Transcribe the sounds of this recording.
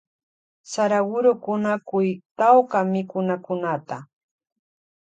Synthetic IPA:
saɾawʊɾʊkʊnakʊjt̪awkamɪkʊnakʊnat̪a

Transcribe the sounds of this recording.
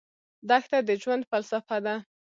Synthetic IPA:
d̪axt̪ad̪əd͡ʒwand̪falsafad̪a

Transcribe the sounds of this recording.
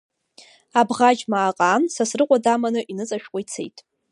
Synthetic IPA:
abʁad͡ʒmaːqʼaːnsasrɨqʷʼadamanɨʔinɨt͡sʼaʃᶣqʷʼʊit͡sʰḛjtʼ

